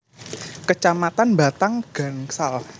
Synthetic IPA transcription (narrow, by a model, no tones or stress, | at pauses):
kət͡ʃamat̪anba̤t̪aŋɡ̥a̤ŋsal